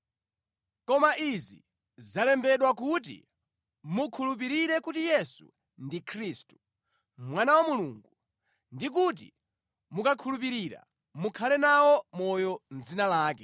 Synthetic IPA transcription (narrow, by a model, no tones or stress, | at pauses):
kɔmaʔizḭ | zalɛmbɛɗwak̬ut̬ḭ | mukʰulup̬iɾiɾɛkutijɛsṵ | ndikʰɾistu̥ | mwanawamuluːŋɡu | ndik̬ut̬ḭ | mukakʰulup̬iɾiːɾa̰ | mukʰalɛnawɔmɔjɔnd͡zinalaːkɛ